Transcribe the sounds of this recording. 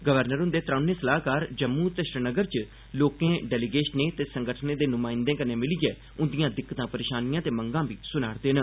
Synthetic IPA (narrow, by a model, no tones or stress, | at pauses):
ɡəʋəɾnəɾɦʊ̃nd̪eːt̪ɾãːnẽːsəlaːkaːɾd͡ʒəmːuːt̪eʃɾɪnəɡəɾt͡ʃ | loːkẽːɖɛːlɪɡeːʃneːt̪eːsəŋɡəʈʰneːd̪eːnʊmãːɪ̃nd̪ẽːkəneːmɪliɡɛː | ʊnd̪ijãːd̪ɪkːət̪ãːpəɾeːʃaːnijãːt̪eːməŋɡãːbiːsʊnaːɽd̪eːn